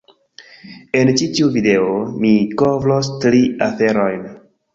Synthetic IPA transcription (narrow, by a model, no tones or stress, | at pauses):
e̞nt͡ʃitiuvide̞omikovlostɾiafe̞ɾo̞jn